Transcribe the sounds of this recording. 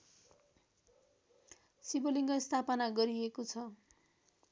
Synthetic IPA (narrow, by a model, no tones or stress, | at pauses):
siboliŋɡʌist̪ʰapʌnaɡʌɾiekot͡sʰʌ